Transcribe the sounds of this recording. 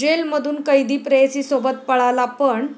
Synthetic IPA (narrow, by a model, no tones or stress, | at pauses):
elməd̪ʱuːnkəjd̪ʱiːpɾəjesiːsobət̪̚pəɭalapəɳ